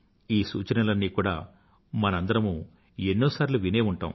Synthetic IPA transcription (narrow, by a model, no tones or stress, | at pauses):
iːsṵːt͡ʃɐɾɐlɐnːiːkuːɽa̰ː | mɐnɐɐnd̪ɐɾɐmuː | enːoːsaːɾluʋine̞ːuɳʈa̰ːm